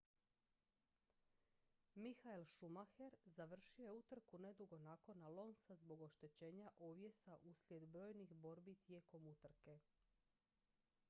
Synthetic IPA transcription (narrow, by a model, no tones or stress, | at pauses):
mixailʃumaxe̞ɾzaʋr̩ʃiojeut̪r̩kune̞d̪uɡo̞nako̞nalo̞nsazbo̞ɡo̞ʃt̪e̞t͡ɕe̞ːɲaʔoʋje̞saʔuslʲje̞d̪bɾo̞ːjnixbo̞ɾbit̪je̞ːko̞mut̪r̩ke̞